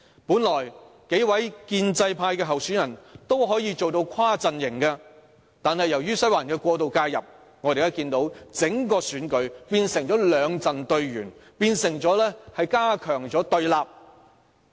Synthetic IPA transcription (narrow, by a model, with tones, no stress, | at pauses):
puː˨˥nlɔː˨˩j | ke˨˥jwɐ˨˥jkiː˧nt͡sɐ˧jpʰaː˧jkɛː˧ɦɐ˨wsyː˨˥njɐ˨˩nt̪o˥wɦɔː˨˥jiː˧t͡so˨wt̪o˧wkʰaː˥t͡sɐ˨njɪ˨˩ŋkɛ˧ | t̪aː˨nhɐ˨jːɐ˨˩wjyː˥sɐ˥waː˨˩nkɛː˧kʷɔː˧t̪̬o˨wkaː˧jɐ̰˨p̚ | ŋɔː˨˧e˨˩jɐ˥kiː˧nt̪o˨˥wt͡sɪ˨˥ŋkɔː˧syː˨˥nkɵ˨˧ɥpiː˧nsɪ˨˩ŋt͡ʃɔː˨˥lœː˨˧ŋt͡sɐ˨nt̪ɵ˧ɥɥyː˨˩npiː˧nsɪ˨˩ŋt͡sɔː˨˥lɛː˥hɐ˨jkaː˥kʰœː˨˩ŋt͡sɔː˨˥t̪ɵ˧ɥlaː˨p̚